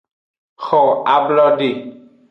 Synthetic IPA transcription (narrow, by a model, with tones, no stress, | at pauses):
xɔ˨a˨blɔ˦ɖe˨